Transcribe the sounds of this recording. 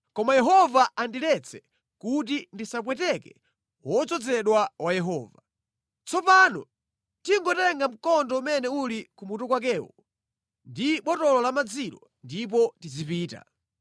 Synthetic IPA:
kɔmajɛɦɔvaandilɛt͡sʰɛ | kut̬indisap̬wɛtɛkɛ | wɔt͡sɔd͡zɛɗwawajɛɦɔːva | t͡sɔpaːnɔ̰ | tiŋɡɔtɛɛŋɡam̩kɔndɔumɛnɛulikumutɔkwak̬ɛːwɔ | ndiɓɔtɔlɔlamad͡zilɔ | ndip̬ɔtizipiːta̰

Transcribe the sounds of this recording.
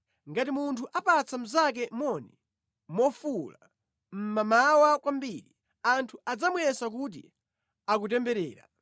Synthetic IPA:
ŋɡatimuntʰuʔapat͡sam̩zak̬ɛmɔni | mɔfula̰ | m̩mamawakwambiɾi | antʰuad͡zamuɛsak̬ut̬ḭ | ak̬ut̬ɛmbɛɾɛ̰ːɾa̰

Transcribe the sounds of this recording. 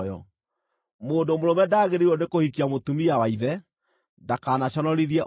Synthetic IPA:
jɔ̰ | moːndomoɾomɛdaːɣeɾiwɔnekohikiamotumijawaiðɛ | dakaːnaɕɔnɔɾiðiɛʔ

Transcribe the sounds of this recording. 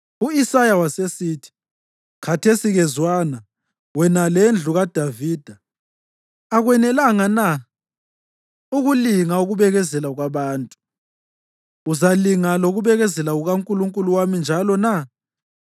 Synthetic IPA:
uisajawasesitʰi̥ | kʰatʰesiɣɛzwana | wɛnalɛnd͡ɮʱuɣad̥ʱaviːd̥ʱa | aɣwɛnɛlaŋana | uɣuliŋauɣuβɛɣɛzɛlaɣwaβaːntʼu̥ | uzaliŋaloɣuβɛɣɛzɛlaɣuɣauŋkʼuluŋkʼuluwamind͡ʒʱalɔna

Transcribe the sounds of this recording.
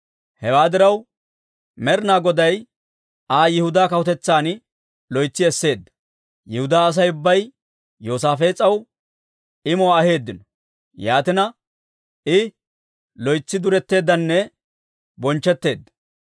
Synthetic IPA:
hɛwaːd̪ɪɾɐw | mɛɾnaːɡɔd̪ɐj | aːjɪhʊd̪aːkɐwʊt̪ɛt͡sːaːn | lɔjt͡sːɪɛsːe̞ːd̪ːɐ̥ | jɪhʊd̪aːɐs̬ɐjʊbːɐj | jo̞ːsaːfe̞ːt͡sʼːɐw | ɪmɔwaːhe̞ːd̪ːɪnɔ | jaːt̪ɪnɐ | ɪ | lɔjt͡sːɪd̪ʊɾɛt̪ːe̞ːd̪ːɐnːɛ | bɔnt͡ʃːɛt̪ːe̞ːd̪ːɐ̥

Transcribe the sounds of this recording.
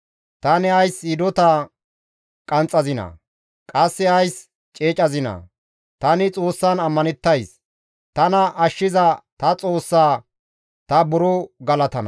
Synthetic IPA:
t̪ɐnɛɐjsɪd̪ɔt̪ɐ | kʼɐnt͡sʼːɐzɪnɐ̰ | kʼɐsːɛɐjs | t͡ʃʼeːt͡ʃʼɐzɪnɐ̰ | t̪ɐnɪt͡sʼo̞ːsːɐnɐmːɐnɛt̪ːɐjs | t̪ɐnɐʔːʃːɪzɐt̪ɐt͡sʼo̞ːsːaː | t̪ɐbʊɾɔɡɐlɐt̪ɐnɐ̰

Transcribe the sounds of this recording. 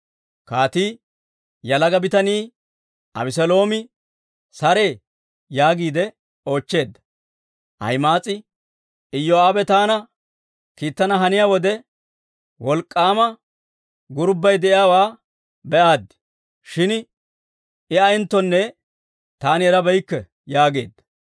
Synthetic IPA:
kaːt̪iː | jɐlɐɡɐbɪt̪ɐniː | ɐ̰bɪs̬ɛlo̞ːmɪ | sɐɾe̞ː | jaːɡiːd̪ɛ | o̞ːt͡ʃːe̞ːd̪ːɐ̥ | ʔɐ̰jmaːt͡sʼɪ | ɪjːɔaːbɛt̪aːnɐ | kiːt̪ːɐnɐɦɐnɪjaːwɔd̪ɛ | wɔlkʼːaːmɐ | ɡʊɾbːɐjd̪ɛʔɪjaːwaː | bɛʔaːd̪ːɪ̥ | ʃɪn | ɪɐjɪnt̪ːɔnːɛ | t̪aːnɪɛɾɐbɛjkːɛ | jaːɡe̞̰ːd̪ːɐ̥

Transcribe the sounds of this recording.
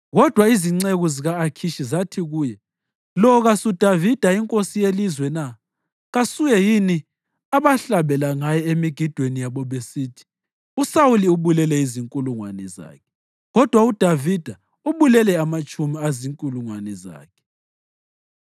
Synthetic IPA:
ɣɔd̥ʱwaiziŋ͡ǀeɣuziɣaːkʰiʃizatʰiɣuːjɛ | lɔɣasud̥ʱavid̥ʱaiŋkʼosijelizwɛna | ɣasujɛjini | aβaɬaβɛlaŋajɛemiɡ̥ʱid̥ʱwenijaβɔβesiːtʰi̥ | usawuliuβulɛlɛiziŋkʼuluŋwa̰nɛza̰ːkʰɛ | ɣɔd̥ʱwaud̥ʱavid̥ʱa | uβulɛlɛamat͡ʃʼumiaziŋkʼuluŋwanɛza̰ːkʰɛ̥

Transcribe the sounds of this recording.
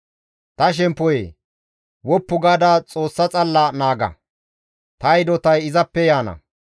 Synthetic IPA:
t̪ɐʃ̬ɛmpːɔjḛː | wɔpːʊɡaːd̪aːt͡sʼoːsːɐt͡sʼɐlːɐnaːɡɐ̰ | t̪ɐjd̪ɔt̪ɐjɪzɐpːɛjaːnɐ̰

